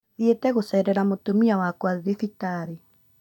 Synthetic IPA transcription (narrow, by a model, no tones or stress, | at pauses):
ðietɛɣosɛɾɛɾamotomiawakwaðefitaɾe